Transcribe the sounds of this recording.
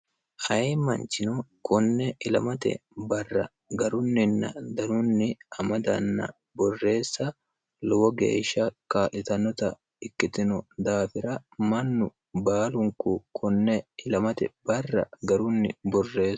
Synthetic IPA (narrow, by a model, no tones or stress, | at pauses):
ʔɐjemɐnt͡ʃɪnʊkʊnːɛʔɪlɐmɐt̪ɛ̰bɐrːɐ | ɡɐɾʊnːɪnːɐ̰d̪ɐnʊnːɪɐmɐd̪ɐ̰nːɐ̰ | bɔrːe̞ːsːɐ | lɔwɔɡḛːʃːɐkaːʔɪt̪ɐnːɔt̪ɐ | ɪkːɪt̪ɪnʊd̪aːfɪɾɐmɐnːʊ | baːlʊŋkukʰʊnːɛɪlɐmɐt̪ɛbɐrːɐ̰ɡɐɾʊnːɪ̰bɔrːe̞ː